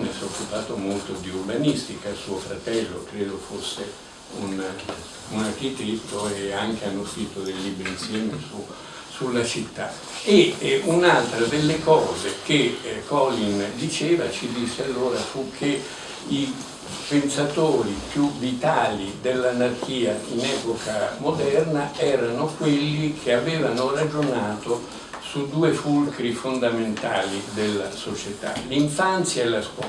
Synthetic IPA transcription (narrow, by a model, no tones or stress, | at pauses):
nesokːupaːt̪omolt̪od̪iurbanist̪ikasuːofɾat̪ɛlːokɾeːd̪ofosːe | un | unark̟it̪et̪ːoeaŋkeanːosiːt̪od̪ejlːibɾiinsjɛːmesu | sulːat͡ʃit̪ːa̰ | eunalt̪ɾad̪elːekɔːzek̟ekʰɔlːind̪it͡ʃeːvat͡ʃid̪isːealːoːɾafukʰːe | i | pensat̪oːɾipjuvit̪aːlid̪elːanark̟iːainɛːpokʰamod̪ɛrnaɛːɾanokwelːikʰeavɛːvanorad͡ʒonaːt̪o | sud̪ːuːefulkɾifond̪ament̪a̰ːlid̪elːasot͡ʃet̪a̰liɱfant̪sjaelːaskwɔ